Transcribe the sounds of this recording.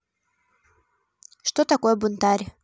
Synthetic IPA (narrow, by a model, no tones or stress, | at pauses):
ʂt̪ot̪akojəbunt̪aɾʲ